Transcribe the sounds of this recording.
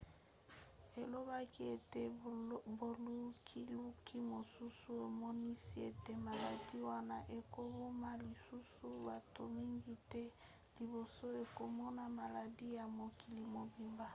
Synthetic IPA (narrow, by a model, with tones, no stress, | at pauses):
e˨lo˦ba˦ki˦e˨te˨bo˨lu˦kʰi˦lu˦kʰi˦mo˨su˦su˦e˨mɔ˦ni˦si˦e˨te˦ma˨la˨di˦wa˦na˦ʔe˨ko˦bo˦ma˦li˨su˦su˦ba˨to˨mi˦ŋɡi˦tɛ˦ | li˨bo˨so˦e˨ko˨mɔ˦na˦ma˨la˨di˦ja˨mo˨ki˨li˨mo˨bi˨mba˦